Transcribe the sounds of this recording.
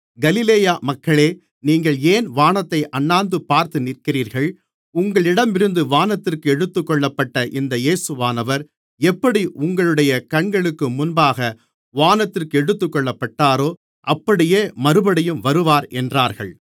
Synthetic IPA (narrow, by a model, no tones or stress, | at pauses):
ɡɐlɪleːjaːmɐkːɐɭeː | niːŋɡɐɭeːnʋaːnɐt̪ːɐɪʔɐnːaːnd̪ɯpːaːɾt̪ɯnɪrkɪɾiːɾɣɐɭ | ʊŋɡɐɭɪɽɐmɪɾɯnd̪ɯʋaːnɐt̪ːɪrkɯɛɽɯt̪ːɯkːɔɭːɐpːɐʈːɐʔɪnd̪ɐjeːsɯʋaːnɐʋɐɾ | ɛpːɐɽiʔʊŋɡɐɭɯɽɐjɐkɐɳɡɐɭɯkːɯmʊnbaːɣɐ | ʋaːnɐt̪ːɪrkɯɛɽɯt̪ːɯkːɔɭːɐpːɐʈːaːɾoː | ʔɐpːɐɽɪjeːmɐɾɯbɐɽɐjɯmʋɐɾɯʋaːɾʔɛndraːɾɣɐ̰ɭ